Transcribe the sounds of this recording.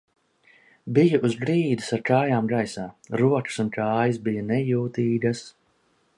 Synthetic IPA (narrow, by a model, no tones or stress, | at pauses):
bijaʔuzɡɾiːd̪isaɾkaːjaːmɡajsaːɾuɔkɨ̥sunkaːjɨsbijanɛjuːt̪iːɡ̪as